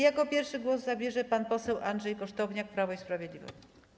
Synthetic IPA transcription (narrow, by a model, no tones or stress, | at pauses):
jakɔpʲjɛɾfʂɘɡwɔzzabʲjɛʐɛpanpɔsɛwʔand̪ʐɛjkɔʂt̪ɔvɲak̚pɾavɔispɾavʲjɛd̪lʲivɔ̰ɕi